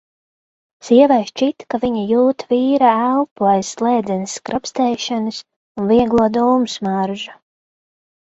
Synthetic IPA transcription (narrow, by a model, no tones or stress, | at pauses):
siɛvajʃt͡ʃit̪kaviɲajuːt̪viːɾaælˠpuajsːlˠɛːd̪zɛnskɾʔapst̪ɛjʃanɨs | unviɛɡlˠuɔd̪uːmusmaɾʒu